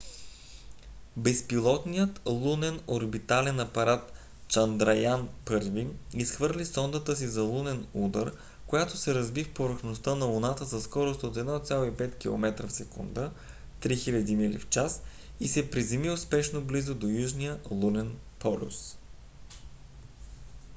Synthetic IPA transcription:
bɛspilˠɔt̪nijət̪lˠunɛnoɾbit̪alɛnɐpɐɾat̪ | t͡ʃɐnd̪ɾɐjanpɤɾviisxvɤɾlʲisɔnd̪ət̪əs̬izɐlˠunɛnud̪əɾ | kojat̪osɛɾɐzbifpoɾəxnost̪ənɐʊnat̪əzɐskɔɾost̪ot̪ɛd̪nɔt̪sʲjalˠoipɛt̪k̟ilˠo̰mɛt̪ɾəfsɛkṵnd̪ə | t̪ɾixilʲɐd̪imɛlḭft͡ʃas | isɛpɾizɛmiʊspɛʃnoblizod̪ojuʒnijəlˠunɛnpɔlʲṵs

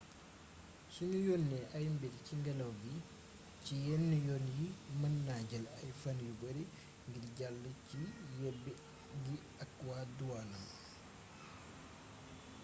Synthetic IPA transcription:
suɲujɔnːɛʔɐjmbedciŋɡɐlɐwɡi | cijɛnːəjɔnjimɐnːaɟɐlɐjfanjubɐɾi | ŋɡidɟalːəcijɛbːi | ɡi | akːwaduwanɐm

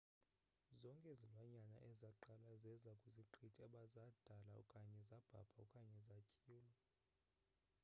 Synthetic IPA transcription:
zɔŋkʼɛzilwaɲanaʔɛzaǃalazɛzakʼuziǃʰitʼɛɓazad̥ʱala̰ṵkʼaɲɛzab̥ʱa̰b̥ʰʱaukʼaɲɛzacʼiːlɔ

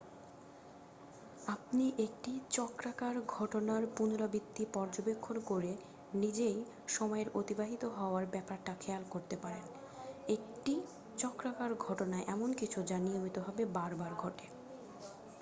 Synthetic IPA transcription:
apniʔek̚ʈit͡ɕɔkɾakaɾɡʱɔʈonaɾpunɾabid̪ːipɔɾd͡ʑobekʰːonkoɾe | nid͡ʑej | ʃɔmɔeɾot̪ibaɦit̪oɦɔoaɾbɛpaɾʈakʰealkoɾt̪epaɾen | ek̚ʈi | t͡ɕɔkɾakaɾɡʱɔʈonaeʔɛmonkit͡ɕʰud͡ʑanijomit̪oɦɔbebaɾbaɾɡʱɔʈe

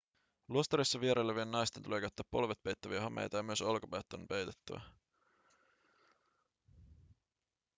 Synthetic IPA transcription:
luost̪ɑɾisːɑʋieɾejlːæʋielnɑjst̪e̞nt̪ulekæyt̪ːæːpːo̞̰lʋet̪̚pejt̪ːæʋiæɦɑmḛjt̪ɑjɑmyø̞solkopet̪ːonpe̞jt̪e̥t̪ːæʋæ̰

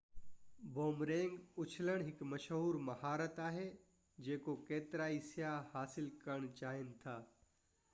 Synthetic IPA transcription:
boːmɾẽːŋɡʊt͡ʃʰləɽ̃ɦɪkmɐʃɦuːɾmɐhaːɾət̪aːɦe | d͡ʒeːkokeːt̪ɾaːisjahaːsɪlkəɾəɳt͡ʃaːɦɪnt̪ʰaː

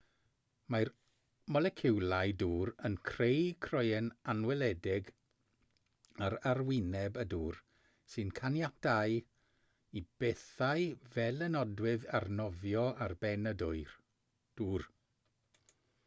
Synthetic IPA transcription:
majr | mɔlɛkʰɪwlˠajduːɾənkʰrejkʰrɔjɛnanwɛlˠɛdɪɡ | aɾarwɪnɛbəduːr | sɨnkʰanjatʰaɨ | ib̥eθaɨvɛlˠənɔdwɪðarnɔvjɔʔarbɛnədʊɨr | d̥uːr

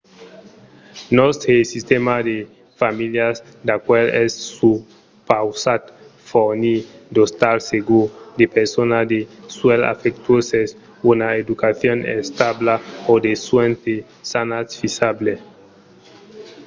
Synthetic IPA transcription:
nost̪ɾesist̪emad̪e | familjas | d̪akwelɛsːu | pawsat̪ | fonid̪ost̪aɾseɡud̪epeɾsonad̪eswɛla̰fekt̪uoses | unaed̪ukaθjonɛ̰st̪ablaod̪eswent̪e | sanasfisable

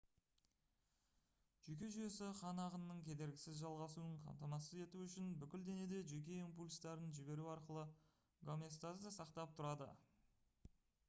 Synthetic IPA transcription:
ʒ̥ʏkʲe̞ʒʏje̞sɪqʰɑnɑʁənːəɴkʲʰe̞d̪e̞ɾɡʲɪsɪzʒɑlˠʁɑsuəɴqʰɑ̰mt̪ɑmɑsəze̞t̪uʏʃɪnbʏkʲɪld̪e̞ne̞d̪e̞ʒʏk̬ʲe̞impulʲst̪ɑɾənʒɪbe̞ɾuɑɾqəlˠə | ɡomest̪azd̪əsɑqt̪ɑp̚t̪ʰʊɾɑd̪ə̰

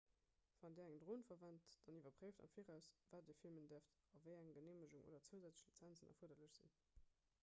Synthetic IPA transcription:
v̥ɑndɛːɐæŋdʁoːnfɐvɑntd̥ɑnivɐpʁeɪfdɑ̰mfiːʁæʊsvaːt̚diːɐfilməndiɐft | ɑvəɪæŋɡəneːməʒuŋʔo̰ːdɐt͡səzæt͡sə̥ʃlit͡sænt͡sənɑ̰fuɐdɐləɕz̥ḭn

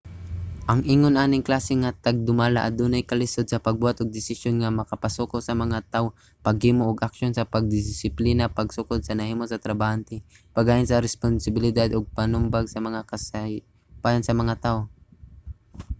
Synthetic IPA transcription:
ʔɐŋʔiːŋonʔaːnɪŋklaːsɪŋɐt̪ɐɡ̚d̪ʊmaːla̰ʔɐ̰d̪uːnajkɐlɪsod̪̚sɐpɐɡ̚buːhat̪ʊɡ̚d̪ɪsɪsjonŋɐmɐkɐpɐsuːkosɐmɐŋat̪aʔo | pɐɡhiːmoʔːɡʔɐkʃonsɐpɐɡ̚d̪ɪsɪpliːnapɐɡsʊkod̪̚sɐnɐhiːmosɐt̪ɾɐbaːhant̪ɪ | pɐɡaːjɪnsɐɾɛsponsɪbɪlɪd̪ad̪oɡ̚pɐnʊmbaɡsɐmɐŋakɐsa | pajansɐmɐŋat̪aːʔo

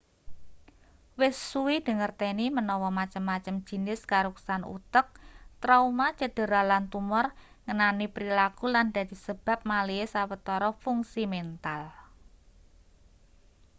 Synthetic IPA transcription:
wɪsːuwid̪̥ə̤ŋərt̪enimənɔwɔmat͡ʃəmːat͡ʃəm̥ʒ̥i̤nɪskaɾuksanṵt̪ək̚t̪ɾaumat͡ʃəd̥ə̤ɾalant̪umɔr | ŋənanipɾilakuland̪̥a̤d̪̥i̤səb̥ä̤p̚maliesawət̪ɔɾɔfuŋsimɛnt̪al

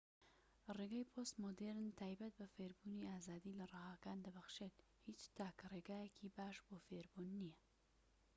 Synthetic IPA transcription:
reɡaːjpʰost̪mod̪eɾnt̪ʰaːjbɐt̪̚bɐfeɾbuniaːzaːd̪iːlɐrɑhaːkaːnd̪ɐbɐxʃeːt̪ | hit͡ʃt̪ʰaːkreːɡaːjekʰibaːʃboːfeːɾbunːijɛ

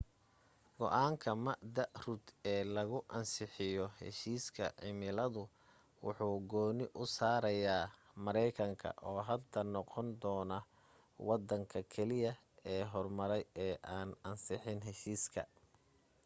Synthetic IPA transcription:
ɡ̥ɔ̰ʔaːŋkʰɐmɐʔd̪ɐʔrʊd̪ɛːlɐɣʊʔɐnsɪħɪjɔhɛ̰ʃiːskʰɐ̰ʕɪmɪlɐðʊ | wʊ̰ħuːɡɔːnɪʔʊsaːɾɐjaː | mɐɾɛjkʰɐŋkʰɐ̰ʔɔːɦɐd̪ɐnɔqɔnd̪ɔːnɐ | wɑd̪ɐŋkʰɐkʰɛlɪjɐ | ɛːɦɔrmɐɾɛjɛːʔaːnɐnsɪħɪnɦɛʃiːskʰɐ̰

